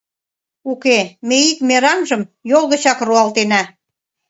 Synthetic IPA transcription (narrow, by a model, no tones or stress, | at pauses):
ukemeikmeɾɑmʒəmjolˠɣə̆t͡ɕɑkruɑlt̪enæ